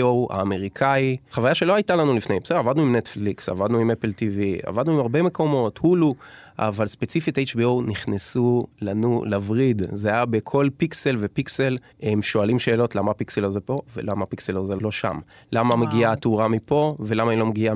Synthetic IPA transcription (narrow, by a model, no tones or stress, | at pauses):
oha̰ːme̞ʁikʰaiχavajaʃe̞lo̞ajtalanulifnejmbsedavadnuimnetfliksa̰vadnuimepeltivia̰vadnuimaʁbe̞me̞ko̞mo̞thuluʔa̰valspet͡sifitejt͡ʃbiowniχnesulanulavʁidzeajabe̞kʰo̞lpikse̞lve̞pikse̞l | emʃoalimʃe̞ːlo̞tlamapikselozepo̞vḛlamapikselozelo̞ʃa̰mlamameɡiatuʁamipo̞ve̞lamainlo̞meɡia